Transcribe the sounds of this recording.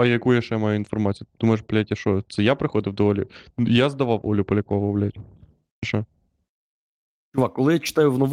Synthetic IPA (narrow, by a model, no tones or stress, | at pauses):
ɐjɐkujjaʃt͡ʃɛmɑjuʊinfɔrmɑt͡sʲijd̪umɔeʃplʲatʲjɐʃɔt̪sɛjapɾɪxɔd̪ɪwd̪ɔɔlʲʊjazd̪ɐʋɑwʔɔ̰lʲʊpɔlʲɐkɔʋɐʋɔwlʲatʲ | ʃɛ | t͡ʃʊʋɑkɔlˠɪjat͡ʃɪ̥t̪ɑjʊwnɔʋ